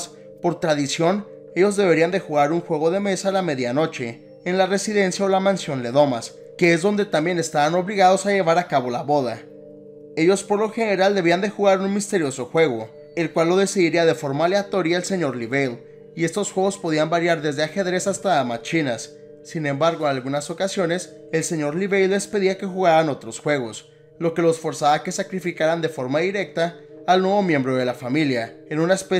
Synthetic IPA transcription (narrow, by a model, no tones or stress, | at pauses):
s | po̞ɾt̪ɾaðisjo̞n | e̞ʝo̞zðe̞β̞e̞ɾiand̪e̞xuɣaɾuŋxwe̞ɣo̞ðe̞me̞salame̞ðjano̞t͡ʃe̞ː | nlare̞siðe̞nsjaolamãnsjo̞nle̞ðo̞mas | ke̞ezðo̞nd̪e̞t̪ambje̞ne̞st̪aβano̞βliɣaðo̞saʝe̞β̞aɾakaβo̞laβo̞ða | e̞ʝo̞spo̞ɾlo̞xe̞ne̞ɾald̪e̞β̞iand̪e̞xuɣaɾunmist̪e̞ɾjo̞so̞xwe̞ɣo̞ | e̞lkwalːo̞ðe̞siðiɾiaðe̞fo̞ɾmaleat̪o̞ɾjaelse̞ɲo̞ɾliβel | ie̞st̪o̞sxwe̞ɣo̞spoð̞iambaɾjaɾðe̞zðe̞axe̞ðɾe̞sast̪amat͡ʃinasː | inẽ̞mbaɾɣo̞enalɣunaso̞kasjo̞ne̞s | e̞lse̞ɲo̞ɾliβejlːe̞spe̞ðiake̞xuɣaɾano̞t̪ɾo̞sxwe̞ɣ̞o̞s | lo̞ke̞lo̞sfo̞ɾsaβake̞sakɾifikaɾand̪e̞fo̞ɾmaðiɾe̞k̚t̪aːlnwe̞βo̞mjẽ̞mbɾo̞ðe̞lafamiljaenũnaespe